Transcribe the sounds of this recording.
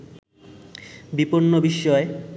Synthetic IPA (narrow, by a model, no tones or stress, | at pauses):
bipoɾnobiʃːɔe